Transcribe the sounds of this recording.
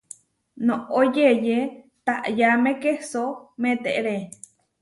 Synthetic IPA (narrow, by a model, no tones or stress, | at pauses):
nõʔojeje | t̪aʔjamẽkesomẽt̪eʔɾe